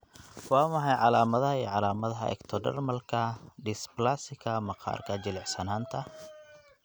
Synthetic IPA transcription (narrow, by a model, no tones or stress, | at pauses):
wɑːmɐħɑjʕɑlaːmɐðɐɦɐiːʕɑlaːmɐðɐɦɐɛ̰kt̪ʰɔɖɐ̰rmɐlkʰɐɖɪsplasɪkʰɐmɐqʰɑ̰ːrkʰɐd͡ʒɪlɛʕħsɐnaːnt̪ʰɐ